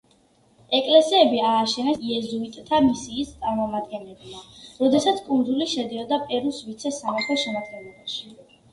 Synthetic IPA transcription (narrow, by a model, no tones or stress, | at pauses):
ɛkʼlɛsiɛbiaːʃɛnɛsiɛzuit̪ʼt̪ʰamisiːst̪sʼaɾmɔmad̪̚ɡɛnlɛbmaɾɔd̪ɛsat̪sʰkʼund̪zuliʃɛd̪iɔd̪apʼɛɾusvit̪sʰɛsamat̪ʰɔʃɛmad̪̚ɡɛnlˠɔbaʃi